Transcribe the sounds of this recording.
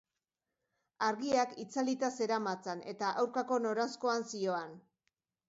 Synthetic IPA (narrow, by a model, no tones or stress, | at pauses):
aɾɣiakit͡salit̪ase̞ɾamat͡sane̞̰t̪aʔawɾkako̞no̞ɾansko̞ansio̞an